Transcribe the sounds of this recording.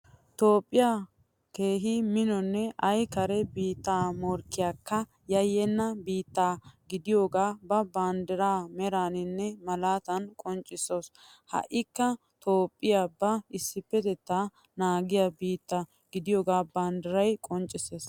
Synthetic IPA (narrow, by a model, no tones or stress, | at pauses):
t̪o̞ːpʼːɪjaː | ke̞ːɦɪmɪnɔnːɛʔɐjkɐɾɛbiːt̪ːaːmɔɾkːɪjaːkːɐ | jɐjːɛnːɐbiːt̪ːaːɡɪd̪ɪjo̞ːɡaːbɐbaːnd̪ɛɾaːmɛɾaːnɪnːɛmɐlaːt̪ɐnkʼɔnt͡ʃʼːɪsoːs | hɐ̰ʔɪkːɐ | t̪oːpʼːɪjaːbɐɪsːɪpːɛt̪ɛt̪ːaː | naːɡɪjabiːt̪ːɐ | ɡɪd̪ɪjo̞ːɡaːbaːnd̪ɛɾɐjkʼɔnt͡ʃʼːɪseːs